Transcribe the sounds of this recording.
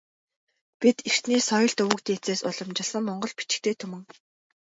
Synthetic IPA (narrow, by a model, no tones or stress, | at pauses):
pit̪ir̥t̪niːsɔjɞ̆ɬt̪ɵuwkt̪eːt͡seːsʊɮɞ̆mt͡ɕɪ̆ɮsə̆ŋmɔɴɢɞ̆ɮpit͡ɕɪ̥̆k̚t̪ʰeːt̪ʰɵmɘ̆ŋ